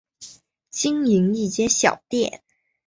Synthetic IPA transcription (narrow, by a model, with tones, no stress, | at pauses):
t͡ɕi˥ŋi˧˥ŋli˥˩t͡ɕjɛ˥nɕjɑ˨˩ʊt̪jɛ˥˩n